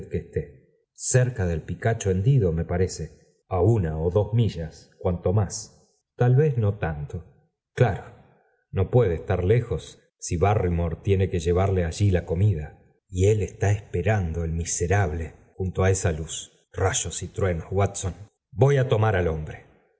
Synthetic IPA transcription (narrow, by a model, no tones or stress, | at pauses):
keːst̪e | seɾkaðe̞lpikat͡ʃoend̪iðo̞me̞paɾe̞se | aunaoðo̞zmiʒaskwant̪o̞mas | t̪alβe̞zno̞t̪ant̪o̞ | klaɾo | no̞pwe̞ðeːst̪aɾlexo̞sː | iβarimoɾt̪je̞nekeʒe̞β̞aɾleaʒilako̞miða | ie̞lest̪aespeɾand̪o̞elmiseɾaβle̞xunt̪oaesalus | raʒo̞sit̪ɾwe̞nozwat̪son | bo̞jat̪o̞maɾalombɾe